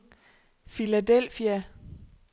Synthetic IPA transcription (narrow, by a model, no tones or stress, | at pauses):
filæd̥el̰fiæ